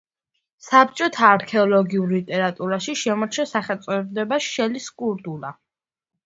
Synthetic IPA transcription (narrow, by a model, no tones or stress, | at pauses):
sap̚t͡ʃʼɔt̪ʰaːɾkʰɛɔlˠɔɡiuɾlit̪ʼɛɾat̪ʼuɾaʃiʃɛmɔɾt͡ʃʰɛsaχɛlt̪sʼɔɛbd̪ɛbaʃɛliskʼuɾt̪ʼula̰